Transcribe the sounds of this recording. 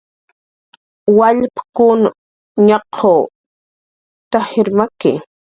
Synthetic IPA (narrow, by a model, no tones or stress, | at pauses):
waʎpkʊn | ɲɑqʰo | t̪aheɾmakɪ